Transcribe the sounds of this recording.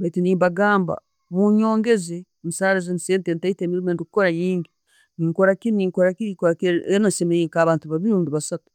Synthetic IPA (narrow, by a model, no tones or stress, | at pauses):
baitiniːmbaɡaːmba̰ | muɲo̞ːŋɡe̞ze | nisaːɾazeniseːntentaiteːmiɾimendikukoɾajiːŋɡi | niŋkoɾakiniŋkoɾakiɾikoɾakeenasemejiːŋkaβaːntuβaβiɾuːndiβasatu̥